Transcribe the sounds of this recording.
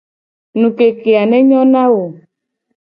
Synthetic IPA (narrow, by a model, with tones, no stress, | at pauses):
nũ˨ke˨ke˨a˨nɛ˦ɲɔ̃˦nã˦wo˨